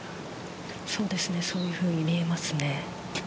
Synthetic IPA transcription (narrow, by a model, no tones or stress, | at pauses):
so̞ːd̪e̞sɨne̞so̞ːjɯ̟ːɸɯ̟ːɲ̟imʲiemasɨne̞